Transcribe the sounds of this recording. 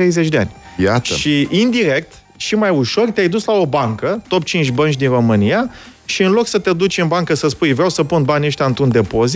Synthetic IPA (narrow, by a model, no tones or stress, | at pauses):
ɾejzet͡ʃʲd̪e̞a̰nʲja̰t̪ə̰ʃiind̪iɾe̞k̚t̪ | ʃimajuʃo̞rt̪eajd̪uslao̞baŋkət̪o̞pt͡ʃint͡ʃʲbənt͡ʃʲd̪inro̞mɨnija | ʃiɨnlo̞ksət̪e̞d̪ut͡ʃʲɨnbaŋkəsəspujvɾeawsəpunbanʲeʃt̪ʲaɨnt̪ɾund̪e̞po̞zi